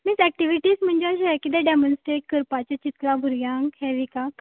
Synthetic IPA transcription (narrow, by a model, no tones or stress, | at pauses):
misɛk̚ʈiʋiʈiːsm̤əɳd͡ʑeəɕɛkid̪ɛɖɛmənsʈɾeʈ̚kəɾpat͡ɕat͡ɕit̪labʱuɾjãŋkɦɛʋika